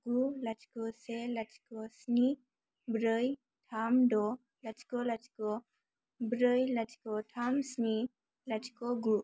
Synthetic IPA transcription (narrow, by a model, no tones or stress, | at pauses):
ɡ̥ulat͡ʃkɔselat͡ʃkɔsni | bɾɯj | tʰamdɔ | lat͡ʃi̥kɔlat͡ʃkɔ | bɾəjlat͡ʃi̥kɔtʰamsni | lat͡ʃʰi̥kɔɡu